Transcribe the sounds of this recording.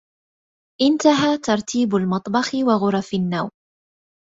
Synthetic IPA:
ʔɪnt̪aɦaːt̪ɑɾˤt̪ʰiːbalmɑt̪ˤbɑxɪwaɣʊɾˤɑfɪnːaw

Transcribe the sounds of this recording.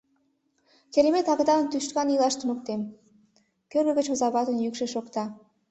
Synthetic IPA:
keɾemet̪ɑɣd̪ɑənt̪yʃt̪kɑnilɑʃt̪unukt̪em | kørɡə̆ɡət͡ɕozɑβɑt̪ənjykʃeʃokt̪ɑ

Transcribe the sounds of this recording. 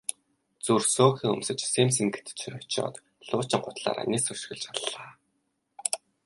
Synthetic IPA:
t͡sursoːxʲiːŋɵ̰msɘ̆t͡ɕsems̬ĭŋɡĕ̥t̪t͡ɕʰʊt͡ɕɔ̰ːt̪ | ɮʊːt͡ɕɪ̆ɴɢʊt̪ɮa̰ːɾa̰ːnesɵʃxɘ̆ɮt͡ɕaɮːaː

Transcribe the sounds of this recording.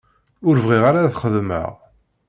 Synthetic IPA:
ʊɾvʁiʁaɾaθχəðmə̰ʁ

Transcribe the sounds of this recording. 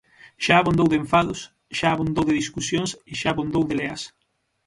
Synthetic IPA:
ʃaːβond̪owðeɱfaðʊs | ʃaːβond̪owðeðiskusjõŋsɪʃaːβond̪owðeleas

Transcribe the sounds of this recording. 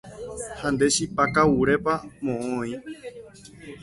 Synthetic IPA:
hãnd̪eʃipakawuɾepamõʔõĩ

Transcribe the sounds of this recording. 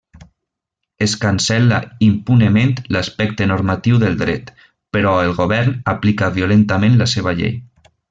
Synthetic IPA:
eskansɛlaimpunəment̪laspɛk̚t̪ənoɾmat̪iwðəlˠd̪ɾɛt̪ | pəɾɔelˠɣoβɛɾnaplikaβiolent̪amẽnlaseβ̞aʎḛj

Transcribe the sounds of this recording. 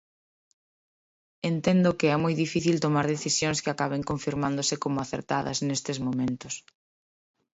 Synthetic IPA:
ent̪ɛnd̪ʊkɪɛmujðifiθilt̪omaɾðeθisjõŋskɪakaβeŋkõɱfiɾmãnd̪osɪkomʊaθḛɾt̪aðɐ̰snest̪ɪzmomẽnt̪ʊs

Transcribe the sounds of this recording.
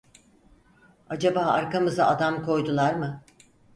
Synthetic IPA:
ad͡ʒabaːaɾkamɯzaad̪amkʰo̞jd̪ulˠaɾmɯ

